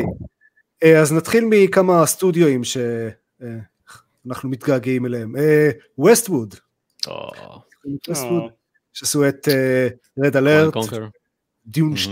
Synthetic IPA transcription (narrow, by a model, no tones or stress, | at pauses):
eaznat̪χilmikamast̪udjoimʃe̞ | anaχnumit̪ɡaɡimeleheme | westwud | o̰ | umit̪westwud̪ | ʃeasuet̪e | ʁed̪aleʁt | d̪ijunʃ